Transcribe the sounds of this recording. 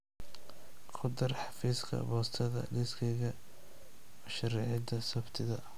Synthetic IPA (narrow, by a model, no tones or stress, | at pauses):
qʰʊd̪ɐrħɑfiːskʰɐ̰bɔːst̪ʰɐðɐ̰lɪskʰɛɣɐ | wɐʃɐɾɛʕɪd̪ɐsɐbt̪ʰɪðɐ